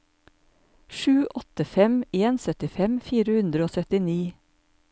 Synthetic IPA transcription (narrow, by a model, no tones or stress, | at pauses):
ʃʉːʔɔt̪əfɛmeːnsœt̪ɪfɛmfiːɾəhʉnd̪ɾəoːsœt̪ɪniː